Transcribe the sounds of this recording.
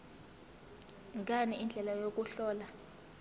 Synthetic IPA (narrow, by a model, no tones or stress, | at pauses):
ŋɡʱʼaniind͡ɮʱɛlajok̬ʼuɬɔːla